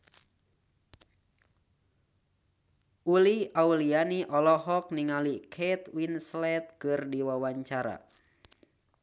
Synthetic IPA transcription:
ʔuliaulianiʔɔlɔɦɔk̚niŋalikʰɛt̪winslɛt̪̚kɨrdiwawaɲt͡ʃaɾa̰

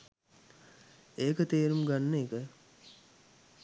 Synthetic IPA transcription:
eːkət̪eːɾumɡanːeːkə

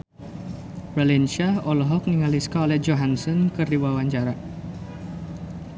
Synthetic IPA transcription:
ɾalinʃaɔlɔɦɔk̚niŋaliskaolɛhd͡ʒoɦansɔnkɨrdiwawaɲt͡ʃaɾa

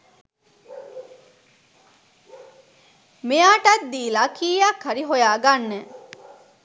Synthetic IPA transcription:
mejaːʈat̪̚d̪iːlakiːjakhaɾiɦojaːɡanːe

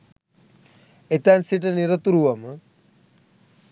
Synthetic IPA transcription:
et̪ansiʈ̬ɐniɾɐt̪uɾuʋɐmə

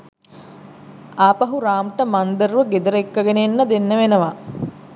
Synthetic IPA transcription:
aːpɐɦuɾaːmʈəmand̪ərʋəɡed̪əɾəekːəɡenenːəd̪enːəʋenəʋa

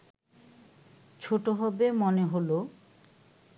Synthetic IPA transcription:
t͡ɕʰoʈoɦɔbemɔneɦolo

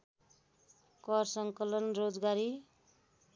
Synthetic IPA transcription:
kʌrsʌŋkʌlʌnrod͡zɡaɾi

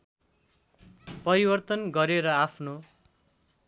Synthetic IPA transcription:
pʌɾibʌrt̪ʌnɡʌɾeɾʌapʰno

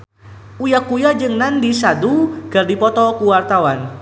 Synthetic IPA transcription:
ujakujad͡ʒɨŋnandisaduɡ̥ardipɔt̪ɔkuwart̪awan

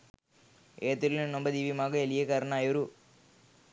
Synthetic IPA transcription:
ʔeːt̪ːɪlnɔmbɐd̪iːʋimaːɣɐɛlɪjɐkɐɾnaːjɐɾu

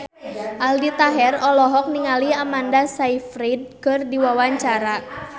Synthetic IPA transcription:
ʔaldit̪aɦɛrɔlɔɦɔk̚niŋaliamandasaifɾid̚kɨrdiwawaɲt͡ʃaɾa

